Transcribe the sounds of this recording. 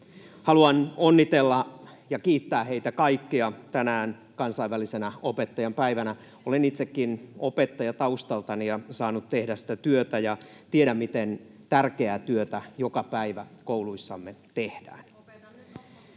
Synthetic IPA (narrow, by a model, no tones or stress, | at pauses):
hɑluɑnonːit̪elːɑjɑkiːt̪ːæːheit̪ækɑikːiɑt̪ænæːn | kɑnsɑiʋælisenæopet̪ːɑjɑmpæiʋænæ | olenit̪sekːinopet̪ːɑjɑt̪ɑust̪ɑlt̪ɑnijɑsɑːnut̪t̪ehdæssi̥t̪æt̪yøt̪æjɑ | t̪ieɾæmmit̪en | t̪ærkeæt̪yøt̪æjokɑpæiʋækouluisːɑmːet̪ehdæ̰ːn